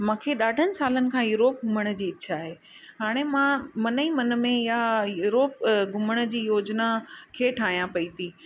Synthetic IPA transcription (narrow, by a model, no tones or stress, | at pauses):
mãːkʰeɗaːɖʱənɪ̆saːlənɪ̆kʰãːjuːɾoːp̚ɡʱʊməɽ̃d͡ʑiːɪtːʃʰaːɦeː | ɦaːɽ̃emãmɐnəĩmɐnəmẽjajuːɾoːpɡʱʊməɽ̃ə̆d͡ʑiːjoːd͡ʑnakʰeːʈʰaːɦĩjãpɐit̪ʰiː